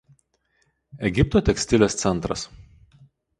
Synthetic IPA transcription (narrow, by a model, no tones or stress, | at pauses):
ɛɡʲɪpt̪oːt̪ʲɛksʲt̪ʲɪlʲeːst̪sʲɛnt̪ɾɐ̰s